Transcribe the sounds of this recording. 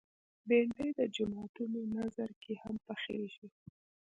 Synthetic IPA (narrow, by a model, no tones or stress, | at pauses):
beɳɖed̪əd͡ʒamaʈunonazaɾkehampaxḛɾʃi